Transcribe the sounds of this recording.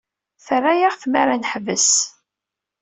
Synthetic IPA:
θərˤːajaʁθmaɾanħvəs

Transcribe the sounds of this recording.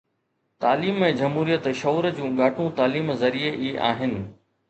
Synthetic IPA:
t̪aːliːmẽd͡ʑɐmɦuːɾijət̪ʃɔːɾd͡ʑũːɠaːʈʰũt̪aːliːmzɐɾieʔiːʔa̰ːɦɪnɪ̆

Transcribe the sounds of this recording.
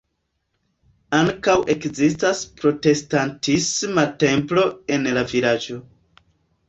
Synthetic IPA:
aŋkawʔe̞kzistaspɾo̞te̞stantismate̞mplo̞e̞nlavilad͡ʒo̞

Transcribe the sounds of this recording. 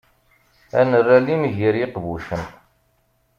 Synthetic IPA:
æ̰nərːælimʝəɾjiqvuʃən

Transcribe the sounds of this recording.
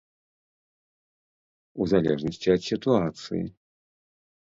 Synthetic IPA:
uzɐlʲɛ̰ʐnəsʲtʲɪɐt̪sʲɪt̪uat̪sɨ̰ɪ̰

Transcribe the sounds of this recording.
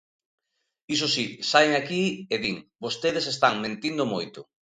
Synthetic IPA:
is̬osisajŋakieðiŋbost̪eð̞esest̪aŋmẽnt̪ind̪ʊmojt̪ʊ

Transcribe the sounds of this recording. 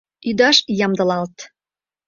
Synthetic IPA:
yd̪ɑʃjɑmd̪əlɑlt̪

